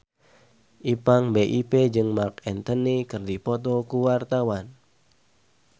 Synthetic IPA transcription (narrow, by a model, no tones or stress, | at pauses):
ʔipaŋbeʔiped͡ʒɨŋmakɛnt̪ənikɨrdipɔt̪ɔkuwart̪awan